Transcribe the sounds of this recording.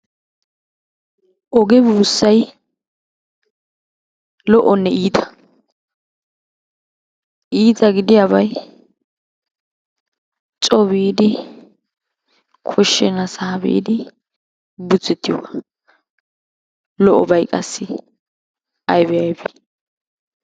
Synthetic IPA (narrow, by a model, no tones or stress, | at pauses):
ʔɔɡɛbuːsːɐj | lɔʔɔnːɛiːt̪ʰɐ̥ | ʔiːt̪ɐɡɪd̪ɪjaːβɐj | t͡ʃʼɔβiːd̪ɪ | kʰɔʃːɛnɐsaːbḭːd̪ɪ | bʊt͡sːɛt̪ːɪjɔɡɐ | lɔʔɔbɐjkʼɐsːɪ | ɐjbɛjɐjbɛ̥